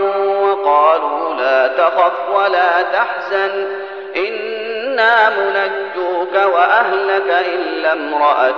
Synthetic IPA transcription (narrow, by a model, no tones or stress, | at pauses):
wɑqɑːluːlaːt̪axɑfwalaːt̪aħzan | ʔɪnː | aːmʊnad͡ʒːʊkawaʔahlakaʔɪnlamɾˤɑʔa